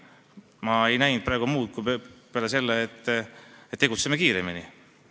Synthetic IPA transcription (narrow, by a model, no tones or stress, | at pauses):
mɑe̞jnæjnd̪̚pɾɑeɡumuːt̪̚kupelese̞lːeːt̪ːet̪ːeɡut̪semːekiːɾemini